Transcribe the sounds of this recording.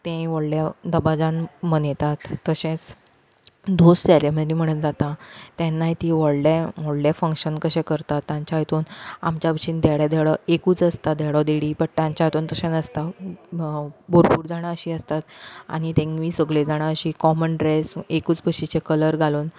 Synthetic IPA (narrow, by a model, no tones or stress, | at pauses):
t̪ẽʋɔɽljad̪əbad͡zãnmənet̪at̪ːəɕẽt͡s | d̪ʱossaɾem̤əɾim̤əɽ̃und͡zat̪ãt̪jɛ̃nːaɦit̪iʋɔɽɖẽmɔɽɖjafə̃ŋkɕənkəɕẽkəɾt̪at̪ːãɲt͡ɕaɦit̪uːna̰mt͡ɕabəɕiːnd̪ɛɽjad̪ɛɽɔekuːt͡səst̪ad̪ʱɛɽɔd̪eɽiːpəʈʈ̪ãɲt͡ɕaɦjt̪uːnt̪əɕẽnəst̪a | boɾpuːɾd͡zaɽ̃aəɕiːəst̪at̪a̰ɽ̃it̪ẽŋmiːsəɡled͡zaɽ̃aəɕiːkɔmənɖɾesekuːt͡sbəɕit͡ɕekələɾɡʱaluːn